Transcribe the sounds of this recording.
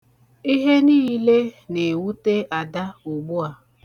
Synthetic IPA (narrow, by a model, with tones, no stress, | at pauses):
i˦ɦe˦niː˦le˦ne˨wu˦te˦ʔa˨da˦u˨ɡ͡bu˦a˨